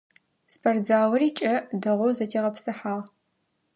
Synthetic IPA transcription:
spʰɐrzaːwɐɾiːt͡ʃʼɐdɐʁʷʊzɐtʰieːʁɐpsɨħaːʁ

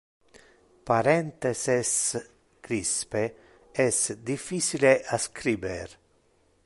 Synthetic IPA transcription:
paɾɛnt̪eses | kɾispe | ɛsd̪ifit͡ʃileʔaskʰɾiːbeɾ

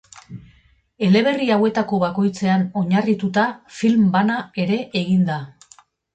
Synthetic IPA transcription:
e̞le̞β̞e̞riawe̞t̪ako̞βako̞jt͡se̞ano̞ɲarit̪ut̪afilmbanae̞ɾe̞ʔeɣind̪a

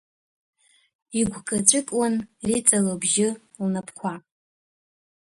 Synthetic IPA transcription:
iɡʷʰɡʼat͡ʃʷʼɨkʼwanrit͡sʼalobʒɪ | lnapʰkʷʰa

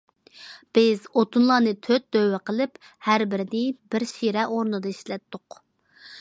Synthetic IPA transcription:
b̥ɪzot̪unlˠɑːnɨt̪ʰøt̪̚d̪øwːɛqəlˠɪp | hæɾbɪɾɪd̪ɪbɪɾʃiɾɛʔoɾnɨd̪ɑiʃlɛt̪ːʊq

